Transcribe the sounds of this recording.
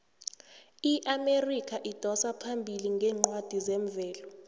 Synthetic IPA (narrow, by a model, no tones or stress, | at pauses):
iʔamerikʰaʔid̥ʱɔsapʰambʱiliŋɡʱɛːŋ͡ǃwad̥ʱizɛɱvɛːlɔ